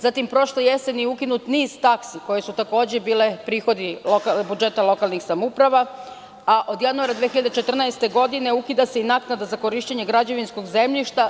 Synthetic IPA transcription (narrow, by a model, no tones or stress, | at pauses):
zat̪impɾo̞ʃlojesenijukinut̪niːz̥t̪aksiko̞je̞sut̪ako̞ːd͡ʑe̞biːle̞pɾiːxo̞d̪iokalbud͡ʒe̞t̪alˠo̞kalˠnixsamupɾaʋa | aʔo̞d̪januaɾad̪ʋexiʎad̪et͡ʃe̞t̪r̩naest̪e̞ɡo̞d̪ine̞ukid̪ase̞inaknad̪azako̞ɾiːʃt͡ɕeɲeɡɾad͡ʑe̞ʋinsko̞ɡze̞mʎiʃt̪a